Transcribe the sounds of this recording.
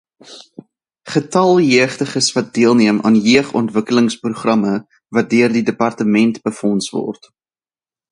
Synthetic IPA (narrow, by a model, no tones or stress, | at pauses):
χətɐlˠjiəχtəχəsvɐt̚diəlˠniəmʔɑ̰ːnjiəχɔ̰ntvəkələŋspruχrɐmə | vɐt̚døərdidəpɐrtəmɛntb̥əfɔnsvɔ̰rt